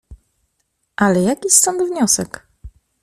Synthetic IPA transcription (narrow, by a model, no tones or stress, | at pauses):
ʔalɛjakʲist̪ɔnd̪vɲɔsɛk